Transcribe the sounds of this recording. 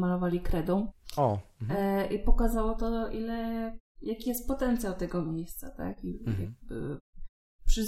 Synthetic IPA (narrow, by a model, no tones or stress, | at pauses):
malɔvalʲikɾɛd̪ɔ̃w̃ɔ | ʔipɔkazawɔt̪ɔʔilɛjakʲijɛst̪̚pɔt̪ɛnt̪sʲjawt̪ɛɡɔmʲjejst̪sat̪a̰kija̰ | pʂɘz